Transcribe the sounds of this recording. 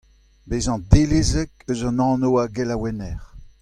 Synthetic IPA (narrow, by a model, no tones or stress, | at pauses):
bezɑ̃d̪elezɛkøzɑ̃nɑ̃ːnowaɡɛlawɛnɛʁ